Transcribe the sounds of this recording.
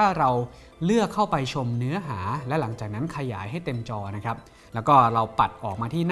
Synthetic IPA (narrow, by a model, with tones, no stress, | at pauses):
aː˥˩ɾa˧w | lɯ˥˩əkʰːa˥˩wpa˧jt͡ɕʰo˧mnɯ˦˥ɐɦaː˩˦lɛ˦˥wla˩˦ŋt͡ɕaː˨˩k̚na˦˥nkʰa˧jaː˩˦jɦa˥˩jt̪e˧mt͡ɕɔː˧na˦˥kʰɾa˦˥p̚ | lɛː˦˥wkɔː˥˩ɾa˧wpa˨˩t̪̚ʔɔː˨˩k̚maː˧t̪ʰiː˥˩n